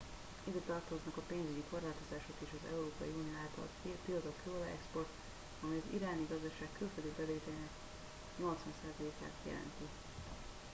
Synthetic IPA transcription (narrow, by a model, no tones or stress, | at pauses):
id̪ɛt̪ɒrt̪o̞znɒkɒpeːnzyɟiko̞rlaːt̪o̞zaːʃo̞t̪eːʃɒzɛ̰uɾoːpɒ̰jiuːnijoaːlt̪ɒ̰lt̪iɒt̪okolɛɛ̰kspo̞rt̪ | ɒmɛjɒzḭɾaːniɡɒzd̪ɒʃaːkːylføld̪ibɛdeːt̪ɛnɛk | ɲo̞lt̪sʋɒnsaːzɒleːka̰ːt̪jɛ̰lɛ̰nt̪i